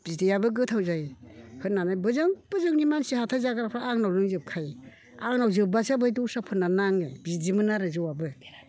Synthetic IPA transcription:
b̥idijabɯɡɯtʰawzajhɯnːanajbɯzɯŋb̥ɯzɯŋnimansihatʰajzaɡaɾapʰɾaaŋnawlɯŋzɯp̚kʰaj | aŋnawzɯbasabɯjdusapʰɯnːanaŋebzizimɯnaɾɯzɯwabɯ

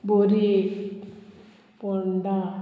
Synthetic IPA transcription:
boɾi | pɔɳɖa

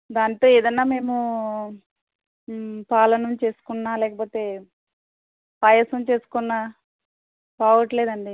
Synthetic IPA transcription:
d̪aːnt̪o̞ːeːd̪ɐnːaːme̞ːmu | paːlɐnɐmt͡ʃe̞ːsu̥kunːaːlɛːkɐpoːt̪e̞ː | paːjɐsɐmt͡ʃe̞ːsu̥kunːaː | paːʋɐʈleːd̪ɐɳɖi

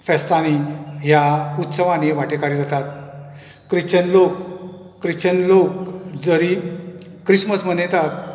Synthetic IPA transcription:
fɛst̪aniɦjaut̪səʋãneʋaʈekaɾid̪ət̪at̪ | kɾiɕt͡ɕənlokː | ɾiɕt͡ɕənlokd͡zəɾi | kɾisməsmənet̪at̪̚

